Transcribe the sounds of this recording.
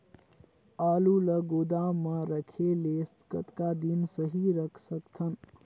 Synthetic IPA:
aːluləɡod̪aməɾəkʰeleskət̪kad̪insəɦiɾəkʰsəkt̪ʰən

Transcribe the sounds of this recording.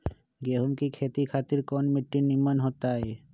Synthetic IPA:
ɡeɦumkikʰet̪ikʰat̪iɾkɔnmiʈːinimanɦɔt̪ae

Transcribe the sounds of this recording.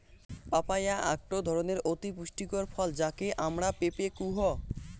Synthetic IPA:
papajaa̰k̚ʈod̪ʱɔɾoneɾot̪ipuʃʈikoɾfʰɔld͡ʑakeʔamɾapepekuɦɔ

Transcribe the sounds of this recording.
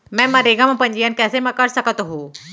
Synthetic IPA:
mɛ̃ːmaɾeːɡamãpəɲd͡ʒijankɛːsemɛ̃kəɾsəkət̪ɦũː

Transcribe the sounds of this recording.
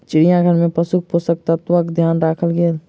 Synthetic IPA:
t͡ʃɪɽijãɡʱəɾmẽpəsuk̚posək̚t̪at̪əkd̪ʱjaːnɾaːkʰəlɡel

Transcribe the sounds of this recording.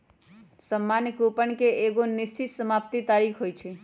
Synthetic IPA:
səmːankupənkeeɡonist͡ʃit̪səmapt̪it̪aɾikʰɦojt͡ʃʰi

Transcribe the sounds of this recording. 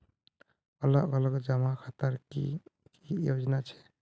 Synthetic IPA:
ələʔɡələkd͡ʒəmakʰat̪əɾkḭkijod͡ʒnat͡ʃʰɛ̥

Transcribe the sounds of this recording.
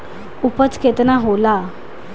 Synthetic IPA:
upət͡skʰet̪naɦola

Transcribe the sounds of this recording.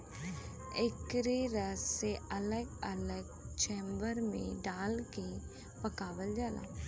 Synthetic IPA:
ɪkɾeɾəseələɡələɡt͡ʃɛ̃ːmbəɾmḛ̃ːɖaːlke | pəkaːʋəld͡ʒaːla̰ː

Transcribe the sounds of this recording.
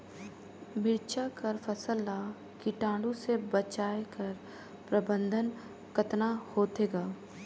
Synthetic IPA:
mɪɾt͡ʃakɐɾfɐsəla | kiʈãːɖũsebət͡ʃaːekɐɾ | pɾɐbə̃nd̪ʱən | kət̪nahoːt̪eːɡaː

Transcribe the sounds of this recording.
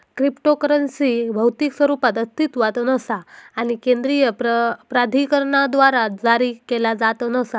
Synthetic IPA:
kɾipʈokəɾənsibʱəwt̪iːksʋəɾupat̪əst̪it̪ʋat̪ənəsaːñikẽnd̪ɾijəpɾəpɾad̪ʱikəɾɳad̪ʋaɾad͡zaɾiːkelad͡zat̪ənəsa

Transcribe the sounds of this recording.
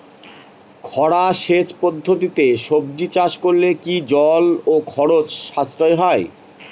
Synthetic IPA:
kʰɔɽaʃet͡ɕpod̪ʱːot̪it̪eʃob̚d͡ʑit͡ɕaʃkoɾlekid͡ʑɔlokʰɔɾot͡ɕʃast̪ɾoeɦɔe

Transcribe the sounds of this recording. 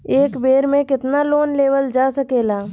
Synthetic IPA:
eːkbeːɾmẽkɪt̪naloːnleːʋəld͡ʒaːsəkeːlaː

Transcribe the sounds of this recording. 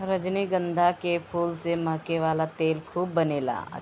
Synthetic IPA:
ɾəd͡ʒniɡə̃nd̪ʱakepʰuːlsemɐɦkeʋaːlat̪eːlkʰuːbːɐneːla̰ː

